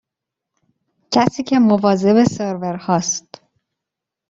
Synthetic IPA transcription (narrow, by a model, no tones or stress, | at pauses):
cʰæsiːcʰe̞movɒːze̞beseɾveɾhɒːst̪